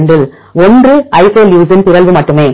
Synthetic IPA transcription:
nɖɪl | ɔndrɯɐɪseːljuːs̬ɪnpɪɾɐlʋɯmɐʈːɯmeː

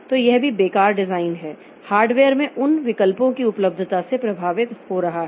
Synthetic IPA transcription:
t̪oːjɛɦbʱibeːkaːɾɖɪzaːɪnɦɛː | haːɾɖʋeːəɾmẽʔʊnʋɪkəlpõkiʊpləb̚d̪ʱt̪asepɾɐbʱaːʋɪt̪hoɾɐɦaɦɛ

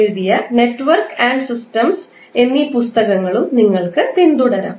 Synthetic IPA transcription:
ɾd̪ijɐneʈːʋɐɾkaːɳɖsisʈɐms | enːipust̪ɐkɐŋɡɐɭumniŋɡɐɭkɨʋ̪ind̪uɽɐɾɐ̰m

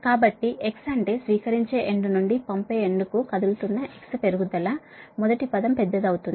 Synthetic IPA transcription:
kaːbɐʈːiʔeksɐɳʈe̞ːsʋiːkɐɾiɲt͡ʃe̞ːʔeɳɖunuɳɖipɐmpeːeɳɖukukɐd̪ulut̪unːɐʔe̞kspe̞ɾuɡud̪ɐlɐ | mɔd̪ɐʈipɐd̪ɐmpɛd̪ːɐd̪ɐwut̪und̪i

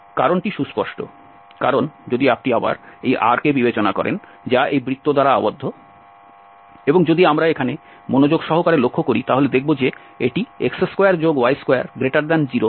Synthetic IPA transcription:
kaɾonʈiʃuspɔʃʈo̰ | kaɾond͡ʑod̪iap̚ʈiaba̰ɾejʔa̰ɾkebibet͡ɕonakɔ̰ɾʔḛn | d͡ʑaʔejbɾit̪ːod̪aɾaa̰bod̪ʱːo | eboŋd͡ʑod̪iamɾaekʰane | monod͡ʑoɡʃɔɦokaɾelokʰːokoɾit̪aɦoled̪ek̚ʰbod͡ʑe | eʈiekseskojaɾd͡ʑoɡwajskoja̰ɾɡɾeʈaɾd̪ɛnd͡ʑiɾo

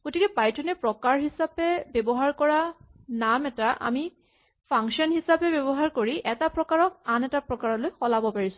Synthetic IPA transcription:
ɡ̥otikɛpajtʰɔnɛpɹɔkaɹɦisapɛbɛbɔɦaɹkɔɹanamɛtaʔa̰mi | pʰaŋksɔnɦisapɛbɛbɔɦaɹkoɹiʔɛtapɹɔkaɹɔk̚anɛtapɹɔkaɹɔlojxɔlabɔpaɹisʊ̥̃

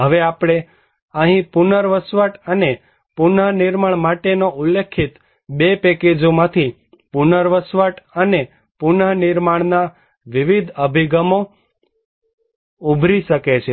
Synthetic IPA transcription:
ɦəʋeapɽ̃e | əɦĩpunəɾʋəsʋəʈəne | punəniɾmaɳ̃maʈenoʔulːekʰːit̪ | bepɛked͡ʒomãt̪ʰi | punəɾʋəsʋəʈəne | punənɪɾmaɳna | ʋiʋid̪ʱəbʱiɡəmo | ubʱɾiʃəket͡ʃʰe

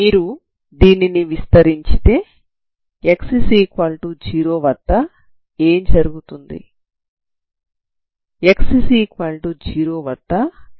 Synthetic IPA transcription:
miːɾu | d̪iːniniʋist̪ɐɾiɲt͡ʃi̥t̪e̞ː | eksisiːkʋalʈud͡ʒiːɾoːʋɐʈːɐ | e̞ːmd͡ʒɐɾuɡut̪und̪ḭ | eksisiːkʋaːlʈud͡ʒiːɾo̞ːʋɐʈːɐ

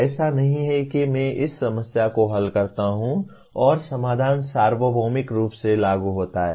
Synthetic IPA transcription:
ɛːsanɐɦĩɦɛkimɛ̃ʔɪsːɐməsjakoɦɐlkɐɾt̪aɦũ | ɔːɾsɐmaːd̪ʱaːnsaːɾʋəbʱoːmɪkɾuːpselaːɡuɦoːt̪aɦɛ̰ː

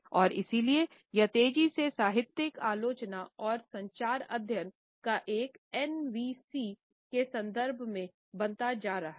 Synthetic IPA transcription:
ɔːɾɪsilie | jɐt̪eːd͡ʒisesaːɦɪt̪jɪkaːloːt͡ʃnaɔːɾsɐ̃ɲt͡ʃaːɾɐd̪ʱjən | kaʔeːkɛnʋiːsi | kesɐ̃nd̪əɾbʱmẽ | bɐ̃nt̪ad͡ʒaːɾɐɦa

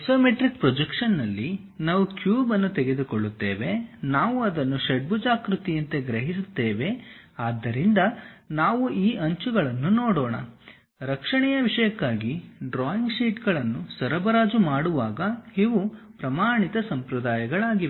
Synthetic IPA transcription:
soːmeʈɾik̚pɾɔd͡ʒekʂɐnːɐlːi | naːʋukjuːbɐnːut̪ɛɡe̞d̪ukoɭːut̪ːeːʋe̞naːʋuɐd̪ɐnːuʃeɖ̚bud͡ʒaːkɾut̪ijɐnt̪eɡɾɐɦisut̪ːe̞ːʋe̞ | aːd̪ːɐɾind̪ɐnaːʋuʔiːʔɐɲt͡ʃuɡɐɭɐnːunoːɽoːɳɐ̰ | ɾɐkʂɐɳɛjɐʋiʂɐjɐkːaːɡiɖɾaːjiŋɡʃiːʈɡɐɭɐnːusɐɾɐbɐɾaːd͡ʒumaːɽuʋaːɡɐiʋupɾɐmaːɳit̪ɐsɐmpɾɐd̪aːjɐɡɐɭaːɡiʋe

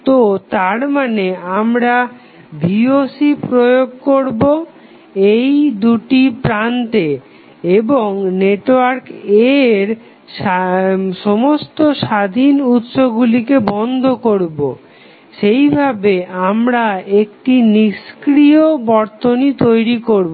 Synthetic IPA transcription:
t̪ot̪aɾmaneamɾa | bʱiosipɾojoɡ̚koɾbo | ejd̪uʈipɾant̪e | eboŋneʈoaɾkeɾ | ʃ | ʃɔmost̪oʃad̪ʱinut̪ʃobɡulikebɔnd̪ʱokoɾbo̰ | ʃejbʱabeamɾaekʈiniʃkɾiobɔɾt̪onit̪ojɾikoɾbo

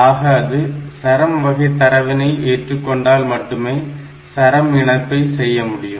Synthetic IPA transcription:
aːɣɐɐðɯsɐɾɐmʋɐɣɐɪt̪ːɐɾɐʋɪnɐɪʔeːʈrɯkːɔɳɖaːlmɐʈːɯmeː | sɐɾɐmɪɳɐpːɐɪsɛjːɐmʊɽɪjɯm

